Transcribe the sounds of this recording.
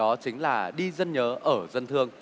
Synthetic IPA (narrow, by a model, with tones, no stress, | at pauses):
ɔ˨˦t͡ɕï˨˦ŋ̟laː˨˩ɗi˧zə˧nɲəː˨˦ʔəː˧˩zə˧nt̪ʰɨ˧əŋ